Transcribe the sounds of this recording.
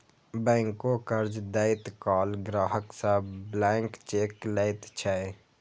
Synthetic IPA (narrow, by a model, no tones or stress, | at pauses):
bɛ̃ːŋkokəɾd͡ʒd̪əɪt̪kaːlɡɾaːɦəksablɛːŋkt͡ʃeːkləɪt̪t͡ʃʰɛe